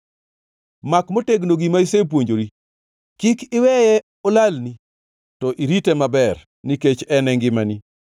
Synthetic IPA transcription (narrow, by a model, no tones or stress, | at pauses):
makmoteɡnoɡimaisep̬woɲd͡ʒoɾi | kikɪwɛjɛ | ɔlalni | tɔʔiɾitɛmabɛr | niket͡ʃɛnɛŋɡɪmani